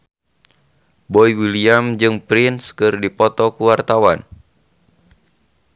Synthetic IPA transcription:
bɔiwiliamd͡ʒɨŋpɾinskɨrdipɔt̪ɔkuwart̪awan

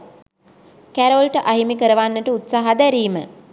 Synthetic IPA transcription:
kæɾolʈəʔaɦimikəɾəʋanːəʈəut̪saːɦad̪æɾiːmə

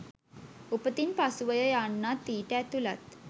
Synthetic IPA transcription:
upət̪iːnpasuʋəjəjaɳːat̪iʈɛt̪ulat̪

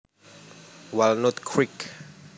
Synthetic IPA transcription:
walnɔtkʰɹik

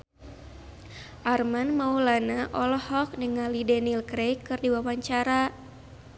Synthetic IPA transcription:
ʔarmanmaulanaʔɔlɔhɔk̚nəŋalidɛnilkɾejkɨrdiwawaɲt͡ʃaɾa

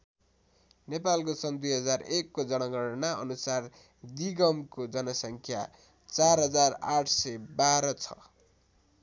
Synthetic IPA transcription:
nepalkosʌnd̪ujɦʌd͡zarekːod͡zʌnʌɡʌɽnaʌ̰nusar | d̪iɡʌmkod͡zʌnʌsʌŋkʰja̰ | t͡sarɦʌd͡zaraʈʰsʌjbaɾʌt͡sʰʌ̥̰

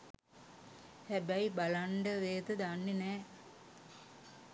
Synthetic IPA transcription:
hæbæibalaɳɖəʋeːt̪əd̪anːinɛː

